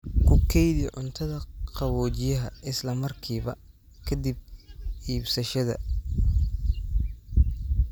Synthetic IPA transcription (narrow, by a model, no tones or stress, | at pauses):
kʰʊkʰɛjðiʕʊnt̪ʰɐðɐqɑβɔːt͡ʃɪjɐɦɐʔɪslɐmɐrkʰiːβɐ | kʰɐd̪ib̚iːbsɐʃɐðɐ̰